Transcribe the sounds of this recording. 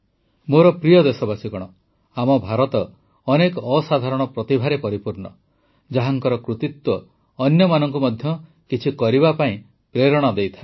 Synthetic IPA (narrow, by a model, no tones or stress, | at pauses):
moɾɔpɾijɔd̪esɔbasikɔɽ̃ɔ | amɔbʱaɾɔt̪ɔː | nekɔɔsad̪ʱaɾɔɽ̃ɔpɾɔt̪ibʱaɾepɔɾipuɾɳɔ | d͡ʒaɦaŋkɔɾɔkɾut̪it̪wɔː | njɔmanɔŋkumɔd̪ʱjɔ | kit͡ʃʰikɔɾiβapaĩ | pɾeɾɔɽ̃ɔd̪ejt̪ʰae